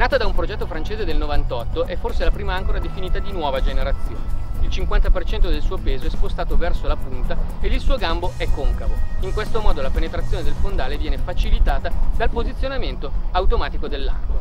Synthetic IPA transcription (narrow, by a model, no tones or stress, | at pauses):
naːt̪ad̪aumpɾod͡ʒɛt̪ːofɾant͡ʃeːzed̪elnovant̪ɔt̪ːoʔɛfːorselapɾiːmaaŋkoɾad̪efiniːt̪ad̪inwɔːvad͡ʒeneɾat̪sːjo̰ːneilt͡ʃiŋkwant̪apert͡ʃɛnt̪od̪elsuːopeːzoɛspost̪aːt̪ovɛrsolapunt̪aed̪ilsuːoɡamboɛkːoŋkavoiŋkwest̪omɔːd̪olapenet̪ɾat̪sːjoːned̪elfond̪aːlevjɛːnefat͡ʃilit̪aːt̪ad̪alpozit̪sːjonament̪oawt̪omaːt̪ikod̪elːa̰n